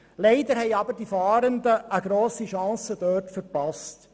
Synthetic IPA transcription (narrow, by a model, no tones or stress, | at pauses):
lɛɪd̪əɾɦɛjɑbəɾdifɑːɾənd̪əʔːɡɾoːsiʃɑ̃ːsəd̥œːtfəɾpɑst